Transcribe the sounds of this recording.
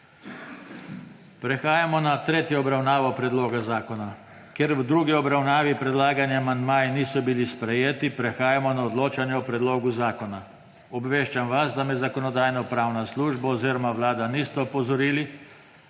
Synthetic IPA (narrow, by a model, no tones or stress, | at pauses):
pɾɛxaːjamɔnat̪ɾeːt̪jɔːbɾawnaːʋɔpɾɛd̪loːɡazaːkɔna | keɾwd̪ɾuːɡiɔbɾawnaːʋipɾɛd̪laːɡanjaamand̪majɛniːsɔbilispɾɛjeːt̪ipɾɛxaːjamɔnaɔd̪loːt͡ʃanjɛɔpɾɛd̪loːɡuzaːkɔna | ɔbʋeːʃt͡ʃamʋazd̪amɛzakɔnɔd̪aːjnɔpɾaːwnasluːʒbaɔziːɾɔmaʋlaːd̪aniːst̪ɛɔpɔzɔɾiːli